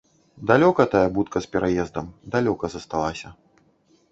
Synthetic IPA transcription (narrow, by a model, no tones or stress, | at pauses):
d̪alʲɔkɐt̪ajɐbut̪kɐspʲɛɾʔajɛzd̪ɐmd̪alʲɔkɐzɐst̪alˠasʲɐ